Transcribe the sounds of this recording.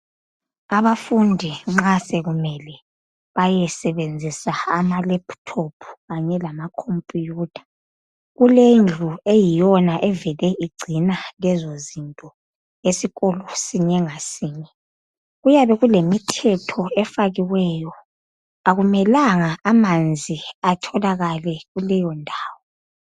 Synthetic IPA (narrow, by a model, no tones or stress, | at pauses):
aβafundʱiŋ͡ǁasɛɣumɛlɛ | βajɛsɛβend͡zʱisaamalɛpʰtʰopʰu̥ɣaɲɛlamakʰompʼijuːtʰʼḁ | ɣulend͡ɮʱuejijɔnaʔɛvɛlɛʔiɡ͡ǀʱinalɛzozintʼɔ | esiɣɔlɔsiɲɛŋasiːɲɛ | ɣujaβɛɣulemitʰɛtʰɔɛfaɣiwɛjɔ | aɣumɛlaŋaʔamand͡zʱiatʰɔlaɣalɛɣulɛjɔndʱaːwɔ